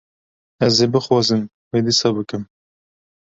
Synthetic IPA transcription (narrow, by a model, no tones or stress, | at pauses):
ɛzeːbɨxwɑːzɨm | weːd̪isɑːbɨkɨm